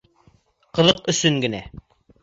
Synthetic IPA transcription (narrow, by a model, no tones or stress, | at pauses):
qɤ̆ðɤqɵ̆sɵŋɡɘ̆næ